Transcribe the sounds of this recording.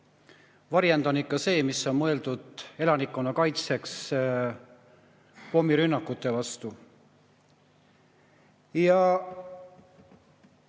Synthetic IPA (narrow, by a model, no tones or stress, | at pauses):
vɑɾjend̪o̞nikːˑɑse̞ːmisːo̞nmɤe̞ld̪̥ud̪̥e̞lɑnikːˑonːɑkɑjt̪se̞ks | po̞miɾynːɑkːˑut̪ːˑe̞vɑst̪u | jɑ